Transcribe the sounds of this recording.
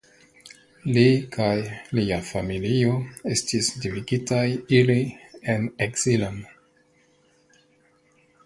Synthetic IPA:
likʰajliafamilio̞e̞stisdiviɡitajilie̞neksiland

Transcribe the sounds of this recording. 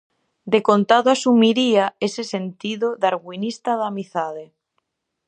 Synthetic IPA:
d̪ekont̪aðoasumiɾiaesesent̪iðoðaɾɣwinist̪aðamiθaðe

